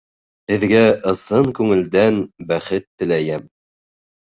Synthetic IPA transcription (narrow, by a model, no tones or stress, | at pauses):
ɘ̆ðɡæʔɤ̆sɤŋkʉŋɘ̆ld̪ænbæχɘt̪ːɘ̆læjæm